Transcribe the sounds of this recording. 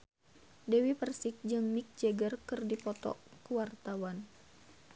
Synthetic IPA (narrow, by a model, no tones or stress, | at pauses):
dɛwipərsik̚d͡ʒɨŋmik̚d͡ʒɛɡərkɨrdipɔt̪ɔ̰kuwart̪awan